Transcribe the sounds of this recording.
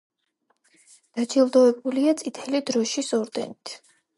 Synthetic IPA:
d̪̥ad͡ʒilˠd̪ɔɛbuliat̪sʼit̪ʰɛlid̪ɾɔʃisɔɾd̪ɛ̰nit̪ʰ

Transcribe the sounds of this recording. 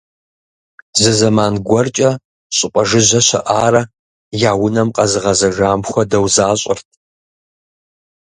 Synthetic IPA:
zɨzɐmaːnɡʷɔrt͡ʃʼɐ | ɕʼɪqʷʼɐʒɨʑɐɕɐ̰ʔaːrɐ | jaːwʊnɐmqʼɐzɨʁɐzɐʒaːmxʷɔdɐwzaːɕʼɪ̰rtʰ

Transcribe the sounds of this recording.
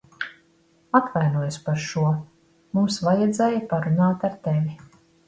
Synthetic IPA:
at̪vajnuɔjspaɾʃuɔ | mumsvajɛd̪zɛːjapaɾunaːt̪aɾt̪evʲi

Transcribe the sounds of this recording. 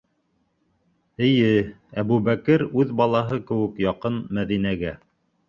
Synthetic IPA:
ɘ̆jɘ | æβʉβækɘɾʉðbɑlˠɑɦɤkɘ̆wɘ̆kjɑqɤnmæðinæɡæ

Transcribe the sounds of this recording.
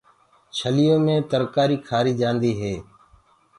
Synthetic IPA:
t͡ʃʰəlɪjõːmẽːt̪əɾkaːɾiːkʰaːɾiːd͡ʒãːnd̪iːɦeː

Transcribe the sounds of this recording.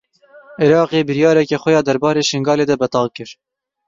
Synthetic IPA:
ʔɪɾɑːqeːbɨɾjɑːɾɛkɛxʷɛjɑːd̪ɛɾbɑːɾeːʃɪŋɡɑːleːd̪ɛbɛt̪ɑːlkɨɾ

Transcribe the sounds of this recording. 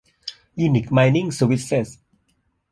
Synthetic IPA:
junik̚majnĩŋsəwisəs

